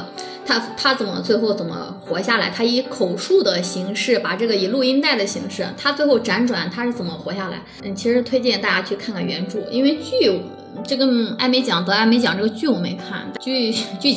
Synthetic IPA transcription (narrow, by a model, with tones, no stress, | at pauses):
t̪ʰa˥t̪ʰa˥t͡sə˨˩nmə̰˧˦t͡swe˥˧ɪxo˥˩ʊt͡sə˨˩nmə̰˦ | xwɔ˧˥ɕja˥˩la̰˧˥ɪt̪ʰa˥i˧˥kʰo˨˩ʊʂu˥˩d̪ə˩ɕi˧˥ŋʂɻ̩˥˩pa˨˩ʈ͡ʂɤ˥˩ɡə˩i˨˩lu˥˩i˥nt̪a˥˩ɪd̪ə˩ɕi˧˥ŋʂɻ̩˥˩t̪ʰa˥t͡swe˥˧ɪxo˥˩ʊʈ͡ʂa˧˥nʈ͡ʂwa˨˩˦nt̪ʰa˥ʂɻ̩˥˩t͡sə˨˩nmə˦xwɔ˧˥ɕja˥˩la̰˧˥ɪn̩˥˩t͡ɕʰi˧˥ʂɻ̩˧˥t̪ʰwe˥ɪt͡ɕjɛ˥˧nt̪a˥˧˩t͡ɕja˥t͡ɕʰy˥˧kʰa˥˧nkʰa˥˩nɥɛ˧˥nʈ͡ʂu˥˩ḭ˥nwe˥˧ɪt͡ɕy˥˩ | ʈ͡ʂɤ˥˩kə˥a˥˩ɪme˧˥ɪt͡ɕjɑ˨˩˦ŋt̪ɤ˧˥a˥˩me˧˥ɪt͡ɕjɑ˨˩ŋʈ͡ʂɤ˥˩ɡə˩t͡ɕy˥˩wɔ˨˩me˧˥ɪkʰa̰˥˩nt̪t͡ɕy˥˧t͡ɕy˥˩